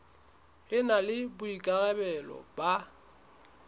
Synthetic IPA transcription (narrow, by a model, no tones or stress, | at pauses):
ɪnalɪbʊikʼaɣɛbɛlɔ̰ba